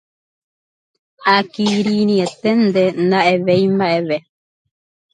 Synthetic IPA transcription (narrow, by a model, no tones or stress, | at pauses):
akiɾinĩet̪end̪enaʔeβeimaeβe